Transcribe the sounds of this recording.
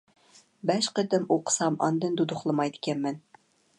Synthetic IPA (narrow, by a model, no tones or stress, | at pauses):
bæʃqɘ̆t̪ɘ̆muqsɑmɒ̰nd̪ɤ̆nd̪ud̪uχlˠɤ̆mɑjt̪kʲænmɘn